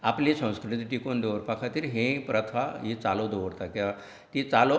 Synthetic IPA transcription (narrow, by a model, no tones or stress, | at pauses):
aplisə̃w̃skɾit̪ʈikond̪eʋəɾpakʰat̪iːɾɦẽpɾət̪ʰaɦit͡salod̪oʋəɾt̪akea | t̪it͡salo